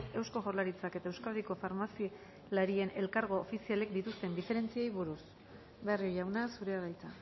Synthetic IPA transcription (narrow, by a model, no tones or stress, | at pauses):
e̞wsko̞ɣo̞ɾlaɾit͡sake̞t̪ae̞wskalðiko̞faɾmasi | laɾie̞ne̞lkaɾɣo̞ːfisiale̞k̚d̪it̪ust̪e̞nd̪ife̞ɾe̞nt͡siejβuɾus | beariojawnasuɾearajt͡sa